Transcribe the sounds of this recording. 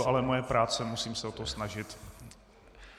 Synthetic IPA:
oʔalɛmojɛpɾaːt͡sɛmusiːmsɛot̪osnaʒɪt̪

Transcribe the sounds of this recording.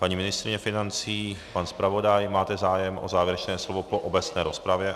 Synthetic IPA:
paɲiːmɪnɪst̪ɾɪɲɛfɪnant͡siːpanspɾavo̞dajmaːt̪ɛzaːjɛmʔozaːvjɛɾɛt͡ʃnɛːslo̞vopoʔobɛt͡snɛːɾspɾavjɛ

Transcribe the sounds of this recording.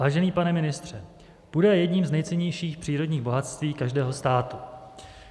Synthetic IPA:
vaːʒɛniːpanɛmɪnɪst̪r̝̥ɛ | b̥udɛjɛdɲiːmznɛjt͡sɛɲɛjʃiːxpr̝̥iːɾo̞dɲiːɣbo̞ɦat̪st̪viːkaʒdɛːɦo̞st̪aːt̪u

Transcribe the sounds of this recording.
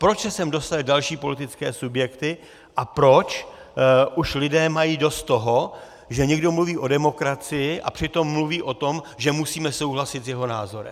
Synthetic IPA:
pɾot͡ʃsɛsɛmdo̞st̪alɪdalʃiːpo̞lɪt̪ɪtt͡skɛːsubjɛkt̪ɪ | ʔapɾo̞t͡ʃ | ʔuʃlɪdɛːmajiːdo̞st̪ːo̞ɦo | ʒɛɲɛɡdo̞mluviːʔo̞dɛmo̞kɾat͡sɪjɪʔa̰pr̥ɪt̪o̞mːluviːʔo̞t̪o̞mʒɛmusiːmɛso̞wɦlasɪt̪zjɛɦo̞naːzo̞ɾɛ̰m

